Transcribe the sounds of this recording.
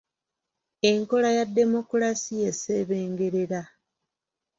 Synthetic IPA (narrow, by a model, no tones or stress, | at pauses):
e̞ŋko̞lajadːe̞mo̞kuɾasije̞se̞βe̞ːŋɡe̞ɾe̞ɾa